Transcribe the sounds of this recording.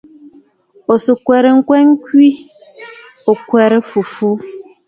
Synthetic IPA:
o˨so˨kwɛ˨ɾe˨ŋ̩˦kwɛ˦ŋ̩˦kwi˦ | o˨kwɛ˨ɾə˦fu˨fu˦

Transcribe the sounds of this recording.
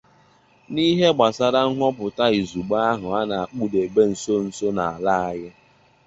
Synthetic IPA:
ni˦ɦe˦ɡ͡ba˨sa˦ɾa˦ŋ̩˦ɦʷɔ˦pʊ˨ta˦i˨zu˨ɡ͡ba˦a˦ɦʊ˨a˦na˨a˨k͡pu˦de˨ɡ͡be˦n̩˨so˦n̩˨so˦na˨a˨la˦a˨ɣɪ˦

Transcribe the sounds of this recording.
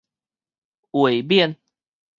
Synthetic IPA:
we˨˩ɪp̬jɛ˥˨n

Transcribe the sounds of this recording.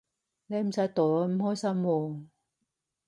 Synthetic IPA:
ne˨˧jm̩˨˩sɐ˨˥jt̪o˨˩lɔː˧m̩˨˩hɔː˥jsɐ˥mwɔː˧

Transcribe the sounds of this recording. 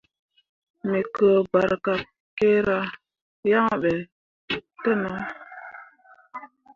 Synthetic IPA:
mi˨kə˨ba˨ɾka˨p̚ | ke˦ɾa˦ | ja˦ŋ˨ɓɛ˨ | tɛ˦na˦

